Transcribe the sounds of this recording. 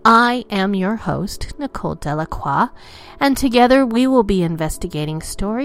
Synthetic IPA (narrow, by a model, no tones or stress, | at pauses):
aɪʔɨ̃mjə˞ho̰ʊstnɨkʰo̰ʊlˠdɛlˠəkʰw̥ɑ | ɨ̃ntʰɨɡɛðə˞wiwɪlˠbiɨ̃ɱvɛstɨɡeɪɾɪ̃ŋstɔɹi